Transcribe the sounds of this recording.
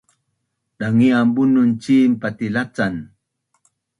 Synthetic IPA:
ɗaŋiambununt͡ɕiːmpatilat͡san

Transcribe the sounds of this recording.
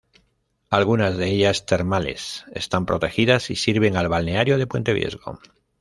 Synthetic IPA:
alɣunazðe̞eʎast̪eɾmale̞̰se̞̰st̪ampɾo̞t̪e̞xiðasisiɾβ̞e̞ŋalβalne̞aɾjo̞ðe̞pwe̞nt̪e̞βje̞̰zɣo̞̰

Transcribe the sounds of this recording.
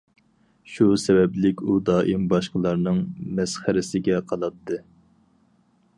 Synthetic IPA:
ʃusɛbɛblɪkʲud̪ɑːʔimbɑʃqəlˠɑɾnɨŋmɛsχæɾɪsɪɡʲɛqʰɑlˠɑt̪ʰːɨ

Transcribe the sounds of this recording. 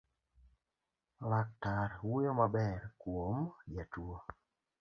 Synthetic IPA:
lak̚taɾwujomabɛɾkwomd͡ʒatwo

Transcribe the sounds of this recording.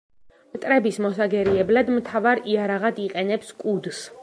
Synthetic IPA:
mt̪ʼɾɛbismɔsaɡɛɾiɛblad̪mt̪ʰavaɾiaɾaʁad̪iqʼɛnɛpskʼud̪s

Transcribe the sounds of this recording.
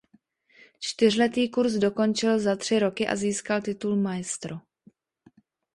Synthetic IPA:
t͡ʃt̪ɪr̝lɛt̪iːkuɾsdo̞ko̞nt͡ʃɪlzat̪r̝̥ɪɾo̞kɪʔa̰ziːskalt̪ɪt̪ulmajɛst̪ɾo

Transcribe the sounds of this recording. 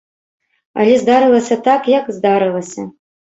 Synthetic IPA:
ɐ̰lʲɛzd̪aɾɨlˠɐsʲɐt̪akjɐkzd̪aɾɨlˠɐsʲɐ

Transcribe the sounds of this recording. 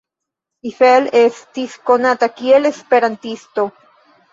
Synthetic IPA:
sifelestisko̞natakiele̞spe̞ɾantisto

